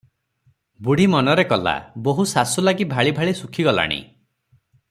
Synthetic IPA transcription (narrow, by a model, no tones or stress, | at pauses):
buɽ̤imɔnɔɾekɔla̰boɦusasulaɡibʱaɭibʱaɭisukʰiɡɔla̰ɽ̃ḭ